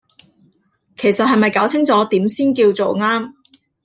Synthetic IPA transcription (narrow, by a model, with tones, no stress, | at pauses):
kʰe˨˩jsɐ˨t̚hɐ˨jmɐ˨jkaː˨˥wt͡sʰɪ˥ŋt͡sɔː˨˥t̪iː˨˥msiː˥nkiː˧wt͡so˨wŋaː˥m